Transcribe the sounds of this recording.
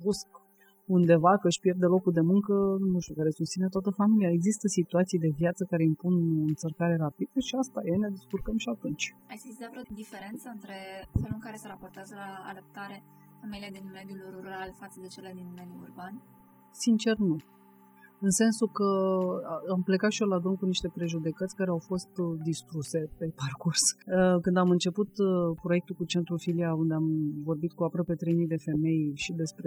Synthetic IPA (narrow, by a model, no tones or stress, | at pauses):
busk | und̪e̞vakəɨʃpje̞rd̪elo̞kuld̪e̞muŋkənunuʃt̪ukaɾesust̪sine̞t̪oat̪əfamiliaeɡzist̪əsit̪uat̪sijd̪e̞vjat̪səkaɾe̞impunɨnsərkaɾe̞ɾapid̪̥əʃiast̪ajene̞d̪iskurkəmʃiat̪unt͡ʃʲasizizavɾeod̪ifeɾe̞nt̪səɨnt̪ɾe̞feluɨŋkaɾe̞səɾapo̞rt̪eazəla̰ːləp̚t̪aɾe | familiad̪inme̞d̪julrruɾalfat̪səd̪et͡ʃelead̪inmeniurban | sint͡ʃe̞rnu | ɨnse̞nsukə | ample̞kat̪ʃiolad̪ɾumkuniʃt̪e̞pɾe̞ʒud̪e̞kət̪sʲkaɾe̞awfo̞st̪d̪ist̪ɾuse̞pe̞parkursəkɨnd̪amɨnt͡ʃe̞put̪pɾo̞jek̚t̪ukut͡ʃe̞nt̪ɾufiliaund̪e̞amvo̞rbit̪̚kuapɾəpe̞t̪ɾe̞jmid̪e̞fe̞me̞jʃid̪e̞spɾe